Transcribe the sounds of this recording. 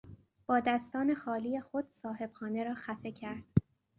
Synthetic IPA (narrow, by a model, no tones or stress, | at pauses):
b̥ɒːd̪æst̪ɒːne̞xɒːlijexo̞d̪̥sɒːhe̞b̥xɒːne̞ɾɒːxæfe̞cʰæɾd̪̥